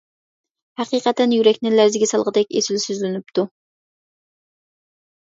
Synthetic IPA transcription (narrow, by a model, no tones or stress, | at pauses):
hæqiːqət̪ːɛnjyɾɛkʲnɪlæɾzɪɡʲɛsɑlˠʁəd̪ɛkʲesɪlsyzlɪnyp̚t̪ʰu